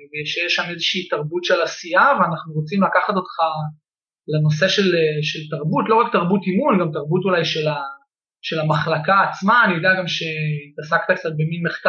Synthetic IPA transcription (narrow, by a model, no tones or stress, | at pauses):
vejeʃejeʃamezeʃiːt̪aʁbutʃelasiaveanaχnuʁo̞t͡simlakaχat̪o̞t̪χa | leno̞se̞ʃe̞leʃe̞lt̪aʁbutlo̞ʁak̚t̪aʁbutimulɡamt̪aʁbutulajʃela | ʃe̞lamaχlakaːt͡smaːniodeaɡamʃe̞t̪asakt̪akt͡sat̪̚beminmeχka